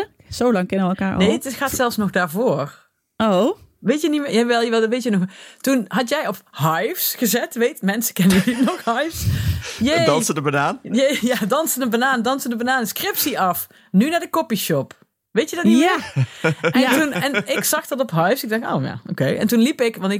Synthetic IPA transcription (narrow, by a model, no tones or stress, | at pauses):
sowlɑŋkɪnəɛlˠkaːɹ̰nejətɪtxaːtsɛlˠfsnɔχdaːɹvoːr | oʋejtjənimːjɛʋɛlˠʋɛlˠʋejtjɛnɔxtunɦɑtjɛjɔpɦɑjfsχəzɛtʋejtmɛnsə̥kɛnəəninɔxɦɑjfsjeɑnsədəbanaːnjejaːdɑnsədəbanaːndɑnsəndəbanaːnəskrɪpsiʔɑf | nynaːdəkɔpiʃɔp | ʋejtjədɑtni | ntunɛnɪksɑχdɑtɔpɦɑjfsɪɡ̚dɑxo̰wja̰ːo̰kejɛ̰ntunlipɪkʋɑntɪk